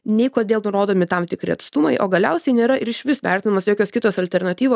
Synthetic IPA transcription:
nʲɛɪkoːd̪ʲeːlˠnʊɾoːd̪oːmʲɪt̪ɐmt̪ʲɪkɾʲɪ̰ɐt̪st̪ʊmɐɪʔoːɡɐlʲɛʊsʲɛɪnʲeːɾɐʔɪɾɪʃʲʋʲɪsʋʲæˑrʲt̪ʲɪnɐmɐsjoːkʲoːskʲɪt̪oːsɐlʲt̪ʲɛrnɐt̪ʲiːʋoː

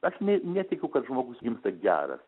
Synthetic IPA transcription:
ɐʃnʲɛnʲɛt̪ʲɪkʲɛʊkɐt̪ʒmoːɡʊsɡʲɪmst̪ɐɡʲæ̰ːɾɐ̰s

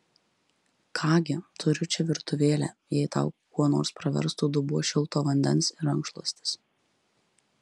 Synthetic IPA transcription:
kʰɑːɡʲɪt̪ʊɾʲʊt͡ʃʲɛʋʲɪɾt̪ʊʋʲeːlʲæ̰ːjɛɪt̪ɑ̰ːʊkuɔno̰ːɾspɾɐʋʲɛ̰ɾst̪uːd̪ʊbuɔʃʲɪlˠt̪oːʋɐnʲd̪ʲɛnsɪɾɐŋkʃlˠuːsʲt̪ʲɪ̥s

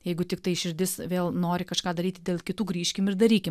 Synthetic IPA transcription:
jɛɪɡʊt̪ʲɪkt̪ɐɪʃʲɪɾʲd̪ʲɪsʋʲeːlˠnoːɾʲɪkɐʃkɑːd̪ɐɾʲiːt̪ʲɪd̪ʲeːlˠkʲɪt̪uːɡɾʲiːʃʲkʲɪmɪɾd̪ɐɾʲiːkʲɪm

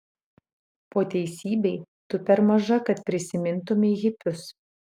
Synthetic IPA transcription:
poːt̪ʲɛɪsʲiːbʲɛɪ | t̪ʊpʲɛɾmɐʒɐkɐt̪pʲɾʲɪsʲɪmʲɪnt̪ʊmʲɪɛɣʲɪpʲʊs

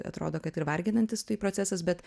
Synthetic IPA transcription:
ɐ̰t̪ɾoːd̪oːkɐt̪ɪɾʋɐɾʲɡʲɪnɐnʲt̪ʲɪst̪ɐɪpɾoːt͡sʲæsɐsbʲɛt̪

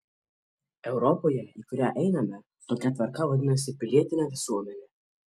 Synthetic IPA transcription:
ɛʊɾɔpoːjɛiːkʊɾʲæːʔɛɪnɐmʲɛ | t̪oːkʲɛt̪ʋɐɾkɐʋɐd̪ʲɪnɐsʲɪpʲɪlʲiɛt̪ʲɪnʲɛʋʲɪsuɔmʲɛnʲɛ

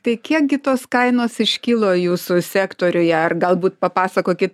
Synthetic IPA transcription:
t̪ɐɪkʲiɛk̚ɡʲɪt̪oːskɐɪnoːsɪʃʲkʲilˠoːjuːsʊsʲæːkt̪oːɾʲʊjɛɐrɡɐlˠbuːt̪̚pɐpɑːsɐkoːkʲɪt̪

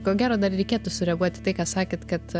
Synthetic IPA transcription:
koːɡʲæːɾoːd̪ɐrɾʲɛɪkʲeːɛt̪ʊsʊɾʲɛɐɡuɔt̪ʲɪt̪ɐɪkɑːsɑːkʲeːt̪kɐt̪

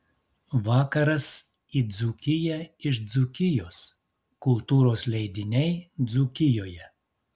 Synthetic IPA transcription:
ʋɑːkɐɾɐs | id̪zukʲɪjɛɪʃd̪zʊkʲɪjoːs | kʊlˠt̪uːɾoːslʲɛɪd̪ʲɪnʲɛɪd̪zukʲɪjoːjɛ

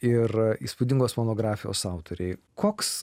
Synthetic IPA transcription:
ɪriːspud̪ʲɪŋɡoːsmoːnoːɡɾɑːfʲɪjo̰ːsɑˑʊt̪oːɾʲɛɪ | koːks

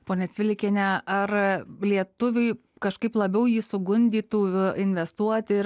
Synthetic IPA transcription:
poːnʲɛt͡s̪ʲʋʲɪlʲɪkʲenʲɛɐrlʲiɛt̪ʊʋʲʊɪ | kɐʃkɐɪplˠɐbʲɛʊjiːsʊɡʊnʲd̪ʲiːt̪uːɪnʲʋʲɛst̪uɔt̪ʲɪ

